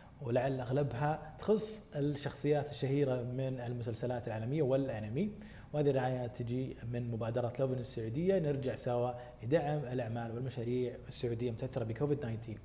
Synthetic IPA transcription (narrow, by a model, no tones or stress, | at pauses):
wlaʕalːʔaɣlabɦat̪xʊsˤːɪʃːɑxsˤɨjːaːt̪ɪʃːahiːɾamɪnɪlmʊs̬alsalaːt̪ɪlʕaːlamɪjːawɪlʔalami | whaːðirɪʕaːjat̪ʰɪd͡ʒimɪnmʊbaːd̪ɑɾˤɑt̪lovnɪsːʊʕuːd̪ɪjːanɪɾd͡ʒaʕsawa | lɪd̪aʕɪmɪlʔaʕmaːlwɪlmaʃaːɾiːʕɪsːʊʕuːd̪ɪjːamʊt̪aʔaθːɪɾˤɑbɪkʰoːvɪd̪naːjnt̪ʰiːn